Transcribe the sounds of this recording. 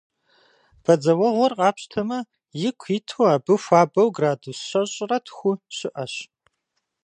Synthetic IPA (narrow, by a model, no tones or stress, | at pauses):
b̥ɐd͡zɐwɐʁʷɔrqʼɑːpɕtʰɐmɐ | jɪkʷʰiːtʰoaːbɨxʷaːbɐwɡraːdusɕɐɕʼrɐtʰxʷʊɕɪʔɐɕ